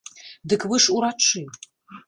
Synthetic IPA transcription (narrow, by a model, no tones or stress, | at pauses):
dɨkʰwɨʂuɾaʈ͡ʂʰi